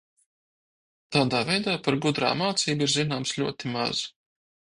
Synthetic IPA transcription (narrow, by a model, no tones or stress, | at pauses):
t̪aːd̪aːvɛjd̪aːpaɾɡud̪ɾa̰ːmaːt̪siːbiɾzinaːmslʲuɔt̪ima̰z̥